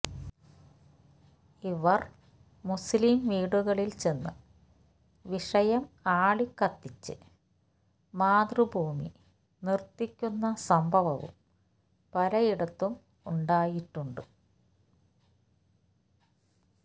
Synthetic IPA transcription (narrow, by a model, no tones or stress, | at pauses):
iʋɐr | muslimʋiːɽuɣɐɭilt͡ɕe̞nːɨ | ʋiʂɐjɐmaːɭikːɐt̪ːit͡ɕːɨ̰ | maːd̪rɨbʱuːmḭ | nirt̪ːikʲːunːɐsɐmbʱɐʋɐʋṵm | pɐɾɐjiɽɐt̪ːum | uɳɖaːjiʈːuɳɖɨ